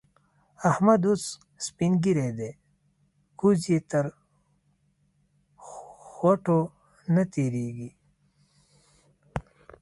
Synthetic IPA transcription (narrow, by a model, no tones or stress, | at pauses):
ɐhmɐd̪ut͡s | spinɡiɾed̪e | kuzjet̪ɐɾ | xwaʈo | nɐt̪iɾiːɡi